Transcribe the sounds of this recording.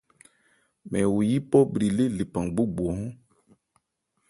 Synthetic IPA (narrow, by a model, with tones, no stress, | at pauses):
mɛ˨wu˨ji˦pɔ˦bɾi˨le˦li˨pã˨ŋɡ͡bu˦bu˨ɔ˨ɔ̃˦